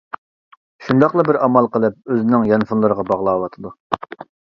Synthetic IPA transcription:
ʃund̪ɑqlˠɑbɪɾɑmɑlˠqəlˠɨp̚øzɪnɪŋjɑnfunlˠɨɾəʁɑbɑʁlˠɑːwɑt̪ʰɨd̪u

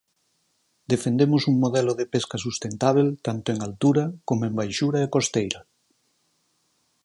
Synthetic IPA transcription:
d̪efend̪emʊsuŋmoðɛloðepeskɐsust̪ent̪aβ̞elt̪ant̪ʊeŋalt̪uɾɐkomoembajʃuɾaekost̪ejɾɐ

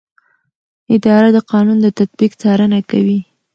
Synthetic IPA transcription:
ɪd̪ɑɾad̪əqɑnund̪ət̪at̪̚bikt͡sɑɾənakawi

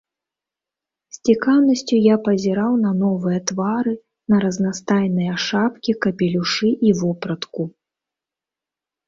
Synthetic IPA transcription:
sʲt͡sʲikawnɐsʲt͡sʲujapɐzʲiɾawn̪ɐnɔvɨjɐt̪vaɾɨ | nɐɾɐznast̪ajnɨjɐʂapkʲikɐpʲilʲuʂɨʔivɔpɾɐt̪ku

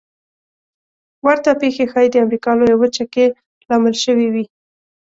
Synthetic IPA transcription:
waɾt̪apexexɑjd̪əamɾikɑlojawət͡ʃake | lɑməlʃəwiwi

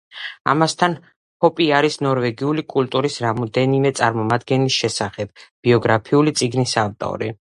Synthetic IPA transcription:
a̰mast̪ʰan | pʰɔpʼiaɾisnɔɾvɛɡiulikʼult̪ʼuɾisɾamɔd̪ɛnimɛt̪sʼaɾmɔmad̪ɡɛnisʃɛsaχɛb̥̚b̥iɔɡɾapʰiulit̪sʼiɡnisavt̪ʼɔ̰ɾi

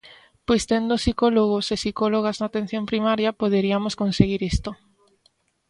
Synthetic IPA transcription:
pojst̪end̪osikoloɣosesikoloɣ̞aznaːt̪ẽn̟θjompɾimaɾjapoðeɾiamoskonseɣiɾist̪o

